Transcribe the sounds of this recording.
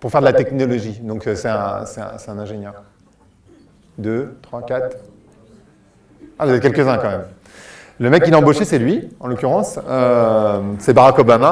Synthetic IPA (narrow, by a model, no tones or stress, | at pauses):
puʁfɛʁd̪əlat̪ɛknɔlɔʒid̪ɔ̃køsɛt̪ɛ̰̃sɛt̪ɛ̰̃sɛt̪ɛ̃nɛ̃ʒenjœʁ | d̪øt̪χwakʲat̪ | avd̪ɛkʲɛlkəzɛ̃kɑ̃mɛm | ləmɛkːilaɑ̃boʃesɛlɥiɑ̃lɔkʲyʁɑ̃sø | sɛbaʁakɔbama